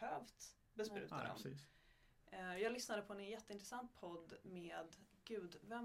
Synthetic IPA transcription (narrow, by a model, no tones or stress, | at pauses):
høːvt̪ | bɛspɾʉ̟ːt̪a̰d̪ɔ̰mː | jɑːɡlʏsnad̪əpʰɔɛnjɛt̪ːəɪnt̪ɾɛsant̪̚pʰɔd̪ːmeːd̪ɡ̥ʉ̟ːd̪vɛm